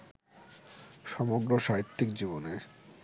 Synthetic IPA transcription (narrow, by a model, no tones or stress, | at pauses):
ʃɔmoɡɾoʃaɦit̪ːikd͡ʑibone